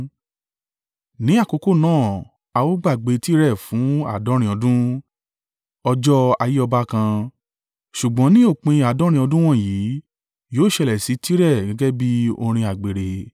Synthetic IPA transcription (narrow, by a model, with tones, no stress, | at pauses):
nĩ˨˦a˦˨ko˨˧ko˦˨nãː˦˨ | a˧wo˦ɡ͡ba˦˨ɡ͡be˨˧ti˦ɾɛ˦˨fũ˨˦a̰˨dɔ˨˦ɾ̃ĩ˧˦ɔ˧dũ˦ | ɔ˧d͡ʒɔ˦a˧ji˦ɔ˧ba˦kã˧ | ʃu˨ɡ͡bɔ̃˨˦nĩ˦o˦˨k͡pĩ˧a˨dɔ̃˨˦ɾ̃ĩ˧ɔ˧dũ˦w̃ɔ̃˦˨jiː˨˦ | joː˦˨ʃɛ˧lɛ˨si˨˦ti˦ɾɛ˦˨ɡɛ̃˨˦ɡɛ˦bi˦o̰˧ɾ̃ĩ˧a˨ɡ͡be˨ɾe˨